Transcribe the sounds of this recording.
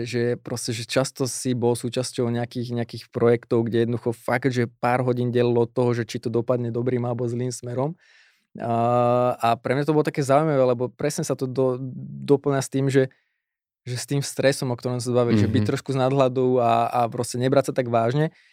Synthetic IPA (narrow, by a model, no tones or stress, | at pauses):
ʒɛpɾɔscɛʒɛt͡ʃast̪ɔsibɔlsuːt͡ʃascɔʊɲɛakiːxɲɛakiːxpɾɔjɛkt̪ɔʊɡɟɛjɛd̪nɔd̪uxɔfaɡd̪ʒɛpaːɾɦɔɟiːnɟɛlilɔɔt̪ːɔɦɔʒɛt͡ʃit̪ɔd̪ɔpad̪ɲɛd̪ɔbɾiːmalɛbɔzliːmsmɛɾɔm | apɾɛmɲat̪ɔbɔlɔt̪akɛːzaujmaʋɛːlɛbɔpɾɛsɲɛsat̪ɔd̪ɔd̪ɔpl̩ɲast̪iːmʒɛ | ʒɛst̪iːmst̪ɾɛsɔmɔkt̪ɔɾɔms̬azbaʋilʒɛbic̚t̪ːɾɔʃkuznad̪ɦlad̪ɔʊaapɾɔscɛɲɛbɾatsat̪aɡʋaːʒɲɛ